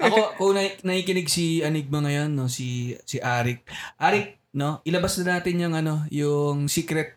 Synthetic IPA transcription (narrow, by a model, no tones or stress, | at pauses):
ʔɐkokʊŋnɐnɐhiːkɪnɪɡ̚siʔɐniɡ̚mɐŋɐjonːo̞sisɪʔaːɾɪk̚ʔaːɾɪk̚ | no̞ʔɪlɐbɐsnɐnaːt̪ɪnjʊŋʔɐno̞jʊŋsiːkɾɛt̪̚